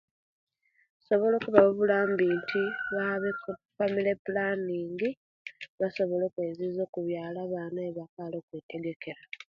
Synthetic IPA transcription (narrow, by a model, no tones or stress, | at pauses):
so̞βo̞lo̞ːkuβaβuβulaːmbiːntʰiβaβekfamilepulaniːŋɡi | βaso̞βo̞lo̞ːkwezizo̞ːkuβjaːlaβaːnaeβakalo̞ːkweːteɡe̞ke̞ɾa